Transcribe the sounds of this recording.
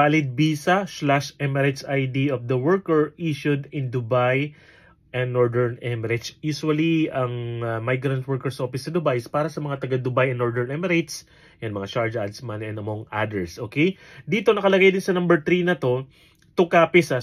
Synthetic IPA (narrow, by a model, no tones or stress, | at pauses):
alɪd̪̚biːsɐslaʃʔɛmɛɾɛsʔajd̪iofd̪ɐwɛɹkɛɹʔiʃʊd̪ɪ̃nd̪ʊbaj | ʔɛ̃nːoɹd̪ɛɹnɛmɛɾɪt͡ʃjuːsuwɐliɐŋɐmajɡɾɐnt̪̚wɛɹkɛɹso̞fɪsɐd̪ʊbajspaːɾɐsɐmɐŋat̪ɐɡad̪ʊbajɐnːoɹd̪ɛɹnɛmɛɾejt̪s | jɐnmɐŋat͡ʃaɹd͡ʒad̪smanɛnɐmoŋʔad̪ɛɹsʔo̞ːkejd̪iːt̪o̞nɐkɐlɐɡajd̪ɪnsɐnɐmbɛɹt̪ɾinɐt̪o̞ | t̪ʊkaːpɪsa